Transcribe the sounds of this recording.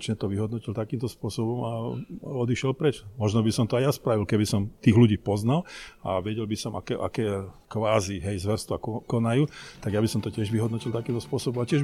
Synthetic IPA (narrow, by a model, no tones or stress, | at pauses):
t͡ʃɲɛt̪ɔʋiɦɔd̪nɔcilt̪akiːmt̪ɔspʊɔsɔbɔmaɔd̪iʃɪɛlpɾɛt͡ʃmɔʒnɔbisɔmt̪ɔajaspɾaʋilkɛbisɔmt̪iːɣluɟiːpɔznala̰ʋɛɟɛlbisɔmʔa̰kɛʔa̰kɛː | kʋaːziɦɛjzʋɛɾst̪ʋakɔnajuːt̪aɡjabisɔmt̪ɔcɪɛʒʋiɦɔd̪nɔcilt̪akiːmt̪ɔspʊɔsɔbɔmacɪɛʒ